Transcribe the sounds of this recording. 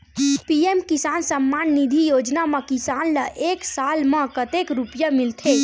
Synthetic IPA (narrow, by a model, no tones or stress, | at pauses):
piemkɪsaːnsəmːaːnːid̪ʱijoːd͡ʒnamə̃kɪsaːnləʔeːksaːlmə̃kət̪ekɾupjamɪlt̪ʰe